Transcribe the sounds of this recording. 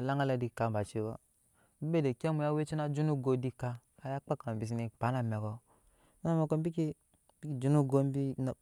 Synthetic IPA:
la˦ŋa˦la˨di˨˦ka˨m˨ba˨t͡ʃi˦kɔ̰˦ | be˦de˨ke˦mu˨ja˦we˦t͡ʃi˦na˦d͡ʒu˦nu˦ɡo˨di˦ka˦ka˦ja˦k͡pa˦ka˨m˨bi˨s̬i˨ni˨k͡pa˨˦na˨me˨kɔ˨˦ | na˦˨me˨ko˦bi˦ki˦ | bi˦ki˦˨d͡ʒu˦nu˦ɡo˦m˦bi˦n˨

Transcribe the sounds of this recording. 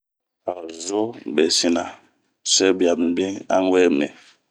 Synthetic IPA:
a˨zo˦bɛ˨si˦na˨ | sɛ˦bja˨bm̩˨bi˦ŋa̰˦ŋ˦wɛ˦mɛ̰˨

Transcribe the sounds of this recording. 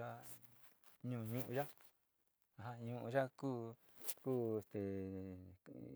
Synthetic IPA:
a˦ | ɲũ˧˨˧ɲũ˦ʔũ˧ʒa˦ | a˨ɦã˧ɲũ˧ʔũ˧ʒa˦kuː˦ | kuː˦e˧˨st̪e˨

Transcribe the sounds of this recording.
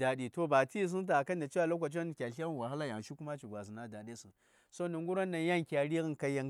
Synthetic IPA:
da˨di˨to˦ba˨ti˦˨s̬i˦n˦t̬a˨ka˦n˦da˨t͡ʃi˦a˨lo˦kʷa˨t͡ʃa˦n˨kʲa˨ɬa˦wa˨ɦa˦la˦ja˨ŋ˨ʃi˦ku˦ma˦t͡ʃi˨ɡʷa˨zi˨na˦da˨de˦si˨n | so˦ni˨ŋɡu˦ɾa˦na˨ja˦ŋ˨kʲa˨ɾi˦ɣi˦nka˦ja˦ŋ

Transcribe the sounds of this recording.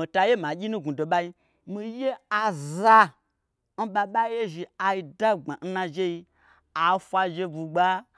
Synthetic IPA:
i˨ta˧je˦mã˨ɡʲi˦nũ˦ɡũ˨do˨ɓa˦ji˧ | mi˧je˦a˨za˧ | n̩˦ɓa˧ɓa˦i˦je˦ʒi˧a˨i˧da˦ɡ͡ba˨n̩˦nã˧ʒe˦i˧ | a˨˦fʷa˧ʒe˧bu˧ɡ͡ba˦

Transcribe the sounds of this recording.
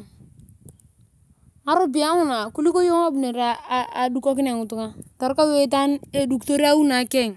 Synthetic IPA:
a˨˦ɾo˦bi˨a˦ŋʊ˦˨na˨ku˦li˦ko˦jo˦ŋa˦bu˨ne˨ɾaː˦˨du˦ko˦kɪ˦ne˨ŋʊ˨tu˦ŋa˦tɔ˨ɾka˦we˦t̬a˦ne˦du˦kto˦ɾi˦a˦wu˦na˨kɛ˦˨ŋ

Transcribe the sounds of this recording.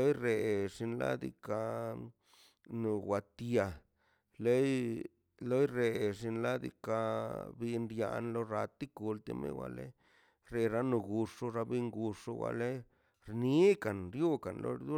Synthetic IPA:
lo˦jɾe˨ʂi˧nla̰˦d̪ḭ˧ka˧ | nu˨wa˨t̪ja˨ | le˦j | lo˦jɾe˨ʐi˧nla˦d̪ḭ˧ka˧bi˧nɾja̰˧nlo˦ɾa˧t̪i˦ku˧lt̪ḛ˧mḛ˦wʷa̰˧˨lḛ˦ | ɾe˧ɾa˦nu˧ɡu˧ʂo˧ɾa˧bi˧ŋɡu˧ʂo˦wʷa̰˧le˦ | ɾni˦ka˨nɾjo˦ka˨nlo̰˧˦d̪u˦

